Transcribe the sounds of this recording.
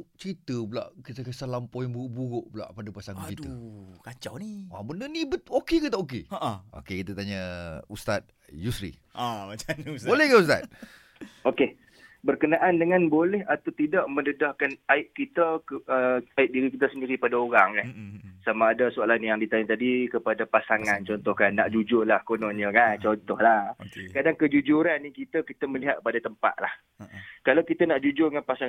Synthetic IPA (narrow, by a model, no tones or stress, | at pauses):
t͡ʃəɾit̪əbla̰ʔkit̪əkəsalampɔiŋbuʊʔbuɾʊʔbəla̰ʔpadapasaŋkit̪ukat͡ʃa̰wnia̰ŋbənənĩbəokekət̪aʔok̬eaʔo̰kekit̪ət̪aɲəust̪at̪̚ | jusɾḭ | amat͡ʃansbolɛhkaust̪a̰t̚ | oke | bərkənaʔandəŋanbolɛhat̪awt̪idaʔmə̃ndədahkanaɪʔkit̪əkəaɪʔ̚diɾikit̪əsəndiɾipadaoɾaŋkansamaːdasualanijaŋdit̪aɲat̪adikəpadapasaŋant͡ʃɔnt̪ɔhkanːaʔd͡ʒud͡ʒʊrlahkonɔnɲəkant͡ʃɔnt̪ɔhlahkadaŋkəd͡ʒud͡ʒuɾanːikit̪əkit̪əməliɦat̪̚k̚əpadat̪əmpa̰t̪̚lah | kalawkit̪anaʔd͡ʒud͡ʒʊrŋanpasaŋ